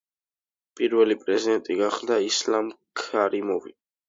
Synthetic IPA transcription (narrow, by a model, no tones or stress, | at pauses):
pʼiɾvɛlipʼɾɛzid̪ɛnt̪ʼiɡaχlˠd̪aislamkʰaɾimɔvḭ